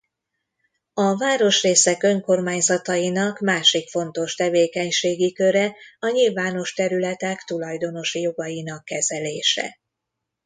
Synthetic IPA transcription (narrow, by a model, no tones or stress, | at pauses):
ɒvaːɾo̞ʃreːsɛkø̞ŋko̞rmaːɲzɒt̪ɒjinɒkmaːʃikfo̞nt̪o̞ʃt̪ɛveːkɛɲʃeːɡikø̞ɾɛɒɲilvaːno̞ʃt̪ɛɾylɛt̪ɛkt̪ulɒjd̪o̞no̞ʃjo̞ɡɒjin̪ɒkːɛzɛleːʃɛ̰